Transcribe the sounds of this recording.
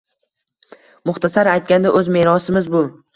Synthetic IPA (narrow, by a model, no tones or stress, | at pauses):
mʊχt̪ʰasaɾajt̪̚kʲand̪aʔɵzmeɾɒsɪmɪzbʊ